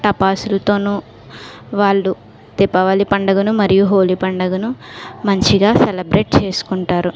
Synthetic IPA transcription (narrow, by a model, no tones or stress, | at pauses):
ʈɐpaːsulɐt̪oːnuː | ʋaːɭːu | t̪ipːɐʋɐlipɐɳɖɐɡɐnumɐɾijuɦoːlipɐɳɖɐɡɐnumɐɲt͡ʃiɡaːselɐbɾeːʈ̚t͡ʃe̞ːsu̥kuɳʈaːɾu